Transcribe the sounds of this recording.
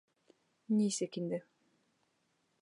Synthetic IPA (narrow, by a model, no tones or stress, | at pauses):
nʲiːsekind̪ɛ